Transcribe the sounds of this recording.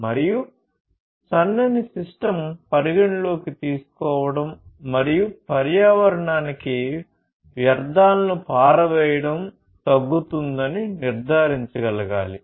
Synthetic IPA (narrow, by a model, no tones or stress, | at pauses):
mɐɾiju | t͡ʃɐnːɐnisiʂʈɐmpɐɾiɡɐɳlo̞ːkit̪iːsu̥kɔːʋɐɽɐmːɐɾijupɐɾjaːʋɐɾɐɳaːniki | ʋjɐɾd̪ʱaːlɐnupaːɾɐʋɛːjɐɽɐm | t̪ɐɡːut̪und̪ɐniniɾd̪ʱaːɾiɲt͡ʃuɡɐlɐɡa̰ːli